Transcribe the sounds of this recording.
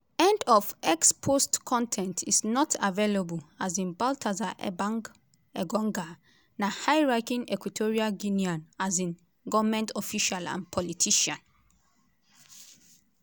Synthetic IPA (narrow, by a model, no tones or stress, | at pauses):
ɛ̃ndɔvɛkspʰostkʰɔ̃ntʰɛ̃ntʰisnɔtʰavelabəlazĩnbaltʰazaʔbaŋ | ɛɡɔ̃ŋɡa | nahajɹaɪkĩŋɛkwitʰɔɹiaɡiniɔ̃nazĩn | ɡɔvamɛ̃ntʰɔfiʃalã̰npʰɔlitʰiʃãn